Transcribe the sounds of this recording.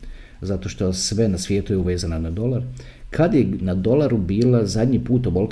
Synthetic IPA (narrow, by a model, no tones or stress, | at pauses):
zat̪o̞ʃt̪osʋenasʋje̞ːt̪ujeuʋe̞ːzananad̪o̞lˠaɾ | kʰad̪jenad̪o̞lˠaɾubiːlazad̪ʲɲipuːt̪obo̞lˠk